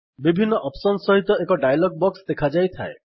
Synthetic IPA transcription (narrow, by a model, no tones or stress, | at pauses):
bibʱinːɔʔɔpsɔnsɔɦit̪ɔekɔɖajlɔɡ̚bɔksd̪ekʰad͡ʒajt̪ʰae